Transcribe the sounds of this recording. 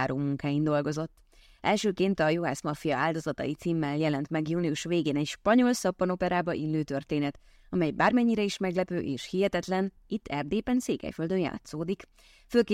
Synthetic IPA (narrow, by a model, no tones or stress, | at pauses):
aːɾoːmuŋkaːjind̪o̞lɡo̞zo̞t̪ː | ʔɛlʃøːkeːnt̪ɒjoaːsmɒfijɒaːld̪o̞zɒt̪ɒ̰jit̪siːmːɛljɛlɛnt̪mɛɡjuːniuʃʋeːɡeːnɛcʃpɒɲo̞lsɒpːɒno̞pɛɾaːbɒʔilːøːt̪ø̞rt̪eːnɛt̪ | ɒmɛjbaːrmɛɲːiɾɛiʃmɛɡlɛpø̰ːʔeːʃhiɦɛt̪ɛt̪lɛn | it̪ːɛrd̪eːpɛnseːkɛ̰jføld̪ønja̰ːt̪soːd̪ik | føːlkː